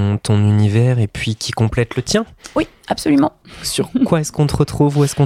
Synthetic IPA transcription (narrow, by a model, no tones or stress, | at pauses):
t̪ɔ̃nynivɛːʁepɥikʲʰikɔ̃plɛt̪lət̪jɛ̃wi | absɔlymɑ̃syʁkwaɛskɔ̃t̪əʁət̪χuvuɛskɔ̃